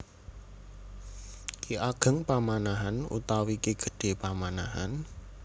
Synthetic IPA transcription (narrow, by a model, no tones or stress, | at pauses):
kiʔaɡ̥ə̤ŋpamanaɦanṵt̪awikiɡ̥ə̥̤ɖ̥e̤pamanaɦa̰n